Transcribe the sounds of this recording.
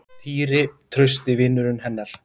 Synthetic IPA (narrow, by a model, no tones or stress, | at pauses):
t̪ʰiːɾɪt̪ʰɾœɥst̪ɪvɪnːʏɾʏnhɛnːɛɾ̥